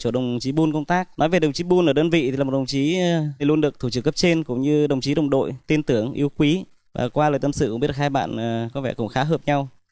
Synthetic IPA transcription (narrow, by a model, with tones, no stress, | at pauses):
t͡ɕo˧˩ɗə˨˩wŋ͡mt͡ɕi˨˦ɓu˧nkə˧ŋ͡mt̪aː˦˥k̚nɔ˨˦jve˨˩ɗə˨˩wŋ͡mt͡ɕi˨˦ɓu˧nʔəː˧˩ɗəː˧nvḭ˧˨t̪ʰi˨aː˨˩m̚˨˩ɗə˨˩ŋ͡mt͡ɕi˨˦i˨˩lu˧ənɗɨ˨˩ək̚t̪ʰu˧˩t͡ɕɨ˦˥˩kːə˦˥p̚t͡ɕe˧nkʊ̰˧˥ŋ͡mɲɨ˧ɗə˨˩wŋ͡mt͡ɕi˨˦ɗə˨˩wŋ͡mɗo̰˧˨jt̪i˧ənt̪ɨ˨˧˩əŋʔḭ˨əwkwi˨˦ | va̰ː˨˩kwaː˧ləː˨˩jt̪ə˧msɨ̰˧ki˦˥t̚ːə˨˩haː˧jɓa̰ː˧˨nː˨˩kɔ˨˦vɛ˧˩kʊ̰˧˩ŋ͡mxaː˨˦ɦəː˨˩p̚ɲa˧w